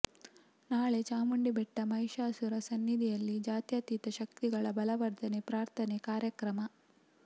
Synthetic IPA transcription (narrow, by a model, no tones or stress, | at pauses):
naːɭe̞t͡ʃaːmuɳɖibɛʈːɐmɐjʃaːsuɾɐsɐnːid̪ʱijɐlːid͡ʒaːt̪jɐt̪it̪ɐʃɐkt̪iɡɐɭɐbɐlɐʋɐɾd̪ʱɐnepɾaːɾt̪ʰɐnekaːɾjɐkɾɐmɐ